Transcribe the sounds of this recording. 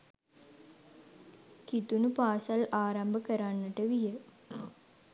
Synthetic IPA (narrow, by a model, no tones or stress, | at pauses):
kit̪unupaːsalaːɾambəkəɾanːəʈəʋijə